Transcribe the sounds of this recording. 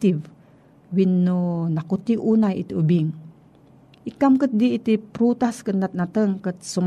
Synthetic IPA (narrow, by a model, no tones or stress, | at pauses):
t̪iv | winːunakut̪iʔunajḭt̪iubiŋ | ʔikamkət̪̚diit̪ipɾut̪askənnat̪̚nat̪əŋkət̪̚sum